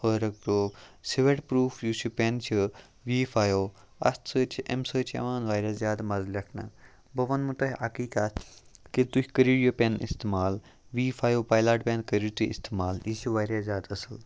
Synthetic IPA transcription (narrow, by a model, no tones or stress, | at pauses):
hoɾɐk̚ɾoːpsiʋeʈpɾuːfʰjusupʲent͡ʃʰi | ʋiːfʰaːjoː | ɐ̰st̪səːt͡ʃʰiʔemsəːt͡ʃʰḛʋaːnʋaːɾaːzjaːd̪mɐzlʲɐkʰna̰ | bɐʋɐnmut̪ɐɦɐkiːkat̪kit̪ukʲkəɾijopʲenḭst̪emaːl | ʋiːfʰaːjoːpaːjlaːʈpʲenkəɾit̪uḭst̪emaːlisuʋaːɾʲaːzʲjaːd̪ɐsɨl